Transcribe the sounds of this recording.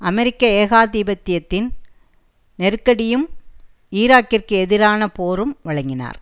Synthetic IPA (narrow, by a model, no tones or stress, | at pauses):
ʔɐmɛɾɪkːɐeːɣaːðiːbɐt̪ːɪjɐt̪ːɪn | nɛɾɯkːɐɽɪjɯm | iːɾaːkːɪrkɯɛðɪɾaːnɐpoːɾɯmʋɐɻɐŋɡɪna̰ːɾ